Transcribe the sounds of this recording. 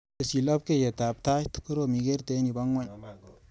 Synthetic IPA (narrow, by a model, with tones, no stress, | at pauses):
ə˨si˨la˦b̚ke˦˨je˨ta˨bta˦t̪u̥˦kːu˦ɾo˨mi˨ɡe˦ɾte˦ni˨ba˦ŋa˨ɲ